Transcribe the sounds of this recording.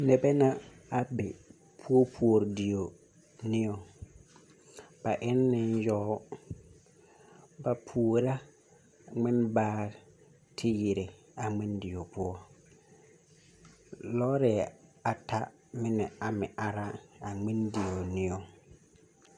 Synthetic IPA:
nɛ˨bɛ˦nã˦ | a˨bɪ˨ | pʰu˦o˦pʰu˦o˨ɾdi˨o˨ | nɪ̃˦o˨ | b̥a˨ʔɪ˦nːɪ̃˦n˦jɔ˦ | ba˨pʰu˨o˨ɾa˦ | ŋɪ̃˦nbaː˦ | tʰɪ˦ji˨ɾɪ˨ | a˨ŋ͡mɪ̃˦ndɪ˨o˨pʊ˦ɔ˦ | lɔ˦ɾɪ˨a˨tʰa˦ | mɪ̃˦nɛ̃˨a˨mɪ̃˨ʔa˨ɾa˦a˨ŋ͡mɪ̃˦ndi˨o˨nɪ̃˦o˨

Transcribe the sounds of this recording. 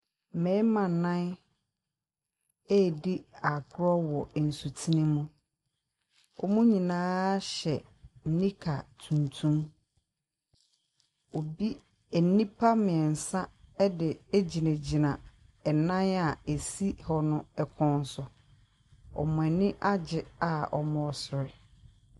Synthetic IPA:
mɛ̃˨˦mã˨nã˦n | ɛː˦˨di˦a˨kɾɔ˦wɔ˨n̩˨su˨tʰi˦nɪ̃˦mũ˦ | ɔ̰˨mũ˦ɲĩ˨nãː˦ɕɛ˨ | n̩˦nĩ˦kʰa˨tʰũ˨ntʰũ˦m | o˨bi˦˨˦ | nĩ˦pʰa˦mɪ̃˨ɛ˨n̩˨sã˦ɛ˦dɪ˨e˦d͡ʑi˨næ̃˨d͡ʑi˨nã˨ | ɛ˨nã˦na˨e˨si˦hɔ˦nʊ̃˦ɛ˨kʰɔ̃˦n˦˨sɔ˨ | ɔ̰˨mʊ̃˨ɛ˨nɪ̃˦ʔa˦d͡ʑɪ˨a˨ɔ˨mɔ̃˨ɔ˨sʊ˨ɾɪ˨

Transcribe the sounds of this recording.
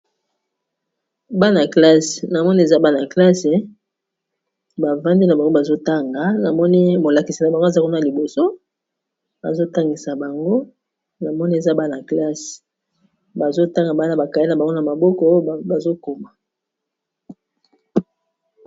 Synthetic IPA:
ba˦na˨kla˦se̥˨na˨mɔ˦ni˦e˨za˦ba˦na˨kla˦se˨ | ba˨va˦ndi˦na˨ba˨ŋɡo˦ba˨zo˦ta˦ŋɡa˨na˨mɔ˦ni˦mo˨la˨ki˨si˨na˨ba˨ŋɡo˦˨za˦ko˦n˦a˨li˨bo˨so˦ | ba̰˨zo˦ta˦ŋɡi˨sa˨ba˨ŋɡo˦ | na˨mɔ˦ni˦e˨za˦ba˦na˨kla˦se̥˨ | ba˨zo˦ta˦ŋɡa˨ba˦na˨ba˨ka˨ji˦na˨ba˨ŋɡo˦na˨ma˨bɔ˦kɔ˦˨ba˨zo˦ko˨ma˨

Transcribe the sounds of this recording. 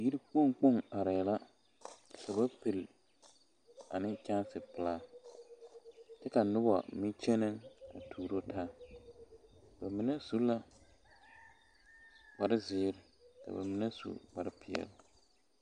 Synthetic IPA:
ji˦ɾi˦k͡po˦ŋk͡po˦˨ŋa˨ɾɪ˨la˦ | ka˨ba˦pe˨l | a̰˨nɪ˦ka˦sɪ˨pɪ˨laː˦ | t͡ʃɛ˦ka˨nʊ˦ba̰˨mɪ˦t͡ʃɛ˦nɪ˦ŋa̰˨tʰuː˨ɾo˦tʰaː˦ | b̥a˨mɪ˨nɛ˦su˦la˦ | k͡pa˨ɾɪ˦zɪː˨˦ɾɪ˨ka̰˨ba̰˨mɪ˨nɛ˦sṵ˨k͡pa˨ɾɪ˦pʰɪ˨ɛ̰˨lɪ˨

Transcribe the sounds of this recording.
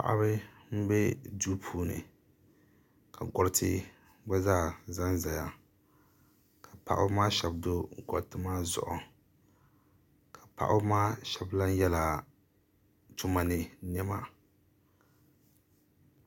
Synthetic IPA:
pa̰˨ʔa̰˦bɨ˦m̩˦bɛ˦duː˦pʰuː˦nɨ̰˨ | kʰa˨ɡɔ˨ɾtʰɪ˦ | ɡ͡bɛ˦zaː˦˨za˦nza˨ja˦ | kʰa˨pa̰˨ʔʊ˦maː˦ʃɛ˨bdo˦ɡɔ̰˨ɾtɨ˦maː˦zʊ̰˨ʔʊ˨ | kʰḁ˨pa̰˨ʔʊ˦maː˦ʃɛ˨bla˦n˦jɛ˦la˨ | tʊ˦ma˨nɨ˨nɛ˦ma˨

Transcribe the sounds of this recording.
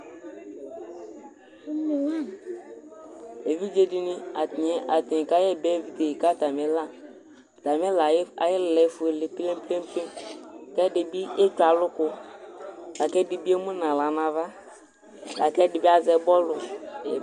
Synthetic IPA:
e˨vi˦d͡ʒe˨dɪ˨nɪ˦a˨tɪ˨ɲɛ˨ʔa˨tɪ˨ka˦jɛ˦bɛ˦˨vi˨t̪e˨i˨ka˦ta˨mɛ˨˦la˦˨ | ta˨mɛ˦la˨jɪ˦llɛ˨˦fʊ˨e˨lɪ˨ple˦m˦ple˦m˦pe˦n˨kɛ˦dɪ˨bi˦e˦t͡ʃa˨lʊ˦kʊ˦ | la˨kɛ˦dɪ˨bi˦e˦mʊ˦nã˨la˨na˨va˦ | la˨kɛ˦dɪ˨bi˦a˨zɛ˨bɔ˦lʊ˨

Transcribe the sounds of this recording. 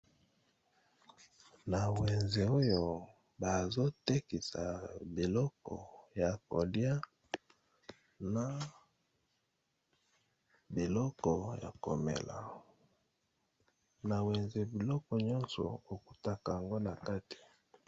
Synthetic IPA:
na˨we˨nze˨o˦jo˨ | ba˨zo˦te˦ki˨sa̰˨bi˨lɔ˦kɔ̰˨ja˨ko˨dja˦ | na˨ | bi˨lɔ˦kɔ˨ja̰˨ko˨mḛ˨la̰˨ | na˨we˨nze˨bi˨lɔ˦kɔ˨ɲɔ̃˦nsɔ̰˨o˨ku˨ta˦ka˨ja˨ŋɡo˦na˨ka˦ti̥˨

